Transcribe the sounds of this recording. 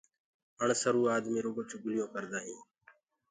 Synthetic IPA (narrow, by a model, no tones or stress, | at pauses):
əɳsəɾuːaːd̪mĩːɾoːɡoːt͡ʃʊɡʊlɪjõːkəɾd̪aːɦĩː